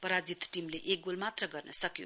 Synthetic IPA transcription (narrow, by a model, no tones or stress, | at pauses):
pʌɾad͡zit̪ʈimleʔek̚ɡolmat̪rʌɡʌrnʌsʌkjo̰